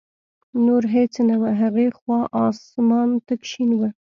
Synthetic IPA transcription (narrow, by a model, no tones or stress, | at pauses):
nuɾɦet͡snawəɦaɣexwɑʔɑsmɑnt̪akʃinwə